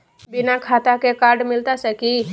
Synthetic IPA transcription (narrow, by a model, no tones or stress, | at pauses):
bɪnakʰaːt̪akekaːɾɖmɪlt̪asəki